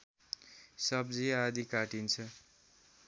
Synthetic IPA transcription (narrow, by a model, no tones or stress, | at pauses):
sʌbd͡ziad̪ikaʈint͡sʰʌ